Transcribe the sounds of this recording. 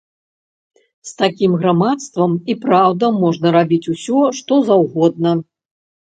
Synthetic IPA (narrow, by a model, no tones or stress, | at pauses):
st̪akʲimɣɾamat̪st̪vɐmipɾawd̪ɐmɔʐnɐɾabʲit͡sʲusʲɔʂt̪ɔzawɣɔd̪̚nɐ